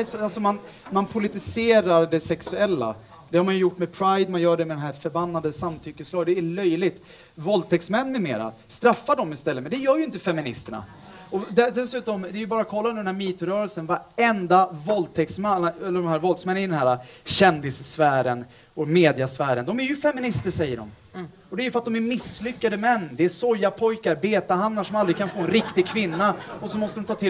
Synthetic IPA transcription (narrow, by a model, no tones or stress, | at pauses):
sɔalsɔman | manpʰʊlɪt̪ɪseːɾaɾɖɛsɛksɵɛlːa̰ | d̪ɛhaɾmanjɵjʊʈːmɛpʰɾajd̪manjœːɖɛmɛd̪ɛnɦæːɾfœɾbanːad̪əsamt̪ʰʏkːəslɑːɡd̪ɛːɭœjlɪɡt̪ | vɔlt̪ʰɛksmɛnːmɛmḛːɾa̰st̪ɾafːaɖɔmɪst̪ɛlːətmɛd̪ɛjœːjɵɪnt̪əfɛmɪnɪst̪əɳa̰ | ɔd̪ɛd̪ɛsʉ̟ːt̪ɔmd̪ɛæɾjɵbɑːɾakʰɔlːand̪ɛnhæːɾmiːt̪ʊɾœːɾɛlsənvaɾɛnd̪avɔlt̪ʰɛksmaɛlːəɖɔmhæːɾvɔld̪smɛnːɪd̪ɛnhæːɾaɕɛnd̪ɪssfæːɾən | ɔmeːd̪ɪasfæːɾənd̪ɔmæɾjɵfɛmɪnɪst̪əɾʂɛjːəɖɔ̰m | ɔd̪ɛæɾjʏfœɾat̪̚d̪ɔmæɾmɪsːlʏkːad̪əmɛnːd̪ɛæsɔjːapʰɔjkaɾbeːt̪aɦamnaʂɔmald̪ɾɪɡkʰanfoːɛnɾɪkt̪ɪɡ̚kʰvɪnːaɔsɔmɔst̪əɾɔmt̪ʰɑːt̪ʰɪ